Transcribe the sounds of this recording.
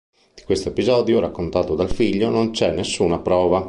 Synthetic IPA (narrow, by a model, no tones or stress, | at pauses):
d̪̥i̥kwest̪oepizɔːd̪joɾakːont̪aːt̪od̪alfiʎːonont͡ʃɛnːesːuːnapɾɔːva